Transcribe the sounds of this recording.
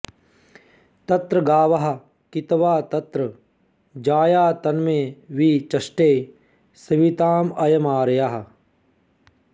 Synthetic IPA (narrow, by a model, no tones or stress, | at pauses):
t̪ɐt̪ɾɐɡaːʋɐɦɐ̆ | kit̪ʋaːt̪ɐt̪ɾɐ | d͡ʒaːjaːt̪ɐnmeːʋiːt͡ʃɐʃʈeː | sɐʋit̪aːmɐjɐmaːɾjaɦɐ̆